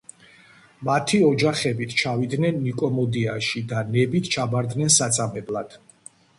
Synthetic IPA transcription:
mat̪ʰiɔd͡ʒaχɛbit̪ʰt͡ʃʰavid̪nɛnːikʼɔmɔd̪iaʃid̪anɛbit̪ʰt͡ʃʰabaɾd̪nɛnsat̪sʼamɛblˠad̪̥

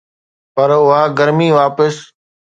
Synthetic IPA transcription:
pəɾʊɦaːɡəɾmiːʋaːpəs

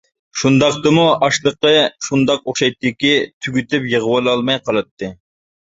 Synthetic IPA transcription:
ʃund̪ɑqt̪ɨmuʔɑʃlˠəqəʃund̪ɑqoχʃɑjt̪ːdɪkʲit̪ʰyɡʲyt̪ɪpjəʁəwɑlˠɑlˠmɑjqʰɑlˠɨt̪ʰːɨ

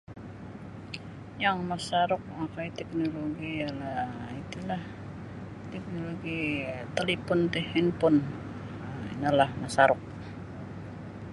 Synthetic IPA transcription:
jaŋmasaɾʊk̚akait̪ɛk̚noloɡialait̪ulah | t̪ɛk̚noloɡit̪əlipʊnt̪ɛhinpʊn | ḭnalahmasaɾʊk̚

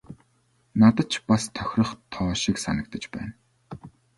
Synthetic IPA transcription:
nat̪ə̆t͡ɕʰpast̪ʰœ̥xʲrə̆χt̪ʰɔːʃiksanə̆k̚t̪ə̆t͡ɕpæ̰ːn

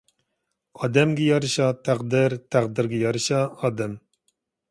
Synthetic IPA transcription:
ɑːd̪ɛmɡʲɛjɑɾɨʃɑt̪ʰæqd̪ɪɾt̪ʰæqd̪ɪɾɡʲɛjɑɾɨʃɑɑːd̪ɛm

